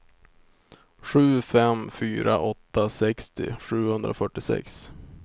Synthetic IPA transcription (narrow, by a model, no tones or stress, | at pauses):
ɧʉ̟ːfɛmfyːɾaʔɔt̪ːasɛkst̪ɪ̰ɧʉ̟ːhɵnd̪ɾʔafœʈːɪsɛ̰ks